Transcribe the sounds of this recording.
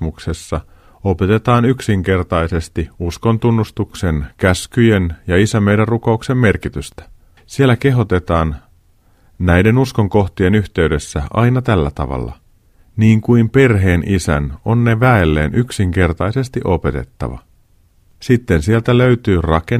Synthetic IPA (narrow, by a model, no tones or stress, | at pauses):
mukse̞sːɑ | o̞pe̞t̪e̞t̪ɑːnyksiŋke̞rt̪ɑjse̞st̪iusko̞nt̪unːust̪ukse̞nkæskyje̞njɑisæmejdærruko̞ukse̞mme̞rkit̪yst̪æ̥ | sielːæke̞ɦo̞t̪e̞t̪ɑːn | næjde̞nusko̞ŋko̞xt̪ie̞nyçt̪e̞yde̞sːæɑinɑt̪ælːæ̰t̪ɑ̰ʋɑ̰lːɑ̰ | niːŋkuimpe̞rɦe̞ːnʔisæ̰no̞nːe̞ʋæelːḛːnʔyksiŋke̞rt̪ɑjse̞st̪iʔo̞pe̞t̪e̞̰t̪ːɑ̰ʋɑ̰ | sit̪ːe̞nsielt̪æløyt̪yːrɑke